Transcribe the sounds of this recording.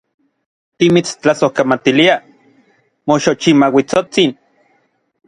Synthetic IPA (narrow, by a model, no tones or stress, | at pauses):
t̪imit͡st͡ɬasohkamat̪ilia | moʃot͡ʃimawit͡sot͡sin